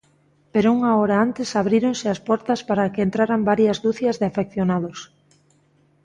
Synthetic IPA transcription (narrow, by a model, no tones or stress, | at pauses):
peɾouŋaɔɾaant̪ɪsaβɾiɾonsɪɐspɔɾt̪ɐspaɾakeent̪ɾaɾambaɾjɐzd̪uθjɐzðefekθjonaðos